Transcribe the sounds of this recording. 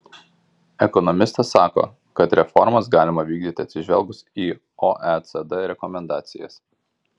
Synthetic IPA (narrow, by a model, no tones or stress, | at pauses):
ɛkɔnɔmʲɪst̪ɐsːɑːko̰ː | kɐt̪ɾʲɛfɔɾmɐs̬ɡɑːlʲɪmɐʋʲiːɡ̚d̪ʲiːt̪ʲɪɐt̪sʲɪʒʲʋʲɛlˠɡʊsiː | oʔɛt̪sɛd̪ɛɾʲɛkɔmʲɛnd̪ɑːt̪sʲɪjɛ̰s